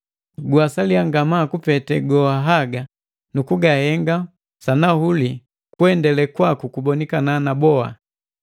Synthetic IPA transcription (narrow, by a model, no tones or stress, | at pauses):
ɡwasaliaŋɡamakupɛtɛɡɔaɦaɡa | nukuɡahɛŋɡa | sanahuli | kuɛndɛlɛkwakukubɔnikananabɔa̰